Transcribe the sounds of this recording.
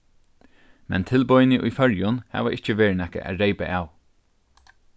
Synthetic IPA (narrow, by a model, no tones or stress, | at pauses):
mɛ̰nt̪ʰɪlbɔjnɪʔujfœɹjʊnhæ̰ːʋaʔɪht͡ʃəʋeːɹnɛhkə̰ʔæ̰ːɾeɪpa̰ʔaːw